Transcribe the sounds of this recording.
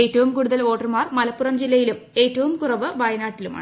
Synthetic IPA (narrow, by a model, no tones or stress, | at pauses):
eːtːɐʋumkuːɽuðɐlo̞ːʈːɐrmaːrmɐlɐpːurɐmd͡ʑilːɐjilum | e̞ːtːɐʋumkurɐʋɨʋɐjɐnaːʈːiluma̰ːɳ